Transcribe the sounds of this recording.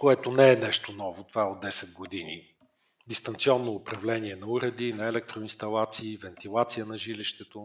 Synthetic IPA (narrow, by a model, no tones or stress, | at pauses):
koɛt̪onɛɛnɛʃt̪onɔvot̪ovaɛod̪̚ːɛsɛd̪̚ɡod̪inḭ | d̪ist̪ɐnt̪siɔnːoːpɾɐvlɛniɛnɐuɾɛd̪inɐɛlɛk̚t̪ɾoinst̪ɐlˠat̪siːvɛnt̪ilˠat̪sijənɐʒiliʃt̪ɛt̪o